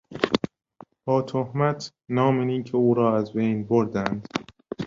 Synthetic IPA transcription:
b̥ɒːt̪ʰohmæt̪ʰ | nɒːmeniːcʰeuːɾɒːæzbejnboɾd̪ænd̪̥

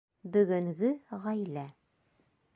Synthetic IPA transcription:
bɵ̆ɡɵ̆ŋɡɘʁæjlæ

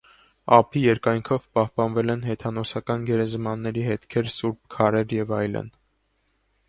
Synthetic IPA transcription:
ɑ̰pʰijɛɾkɑjŋkʰɔvpɑhpɑnvɛlɛnɦɛt̪ʰɑnɔsɑkɑnɡɛɾɛzmɑnːɛɾiɦɛt̪kʰɛɾsuɾp̚kʰɑɾɛɾjɛvɑjlə̰n

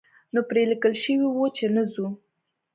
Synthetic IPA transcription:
nopɾelikəlʃəwiwot͡ʃenəzu

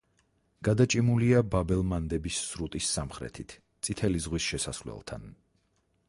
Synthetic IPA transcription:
ɡ̥ad̪at͡ʃʼimuliababɛlˠmand̪ɛbisːɾut̪ʼisːamχɾɛ̰t̪ʰit̪ʰ | t̪sʼit̪ʰɛlizʁwisʃɛsa̰slɛ̰lˠt̪ʰa̰n

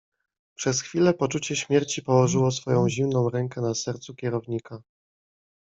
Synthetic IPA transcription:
pʂɛsxfʲilɛpɔt͡ʂut͡ɕɛɕmʲjɛɾt͡ɕipɔwɔʐɘwɔsfɔjɔ̃w̃ʑimnɔ̃w̃ɾɛŋkɛnasɛɾt̪sukʲɛɾɔvɲika

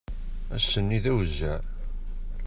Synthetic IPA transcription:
æ̰sːənːiðæwəzːæ

